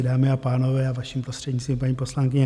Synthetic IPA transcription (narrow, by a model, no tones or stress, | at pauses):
daːmɪapaːnovɛːavaʃimpɾost̪r̥ɛɟɲist̪vimpaɲiːpo̞slaŋkɪɲɛ